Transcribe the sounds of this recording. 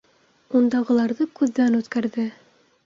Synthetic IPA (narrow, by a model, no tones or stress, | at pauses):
und̪ɑʁɤ̆lˠɑɾðɤkʉðːænʉt̪kæɾðɘ